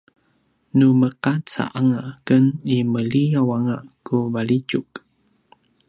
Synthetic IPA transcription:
numəqat͡sa̰ʔaŋakəniməliawaŋaʔkuvalid͡ʒuk

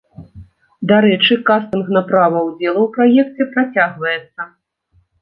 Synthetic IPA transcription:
d̪aɾɛt͡ʂɨkast̪ɨnɣnɐpɾavɐwd͡zʲɛlˠɐwpɾajɛk̚t͡sʲɛpɾat͡sʲaɣvɐjɛt̪sːɐ

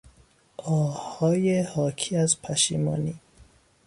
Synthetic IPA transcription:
ʔɒːhɒːjehɒːkʰiːæzpʰæʃḭːmɒ̰ːniː

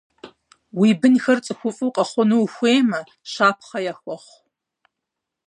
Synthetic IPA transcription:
wiːbɨnxɐrt͡sʼɨxʷʊfʼɨwqʼɐχʷʊnuxʷeːmɐ | ʃaːpʰχɐjaxʷɔχʷ

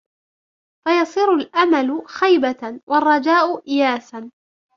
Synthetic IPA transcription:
fajɑsˤiːɾʊlʔamalʊxajbawʔɑrˤːɑd͡ʒaːʔʊʔɪjaːsan

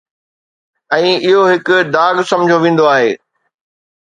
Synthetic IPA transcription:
ɛ̃ːɪɦoɦɪkʊd̪aːɡsɐ̃mʊd͡ʑʱoʋẽːn̆d̪oaːɦḛː

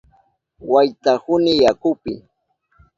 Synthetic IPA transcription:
wajt̪ahʊnɪjakʊpɪ̰

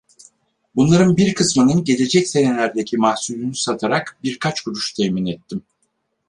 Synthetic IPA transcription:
bunlˠaɾɯnbiɾkʰɯsmɯnɯnɟe̞lʲe̞d͡ʒɛcse̞ne̞lʲæɾd̪ecʰimahsulʲynysat̪ʰaɾakbiɾkʰat͡ʃɡyɾyʃt̪ʰɛminɛt̪ʰːim

